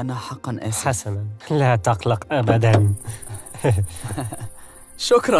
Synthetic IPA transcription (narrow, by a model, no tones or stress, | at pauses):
ʔanaħɑqːɑnʔa̰ħasananlat̪ɑqlɑqʔabad̪an | ʃʊkɾˤɑ